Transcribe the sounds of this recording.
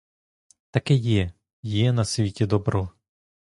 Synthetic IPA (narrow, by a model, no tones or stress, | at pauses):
t̪ɐkɛjɛ | jɛnɐsʲʋʲitʲid̪ɔbɾɔ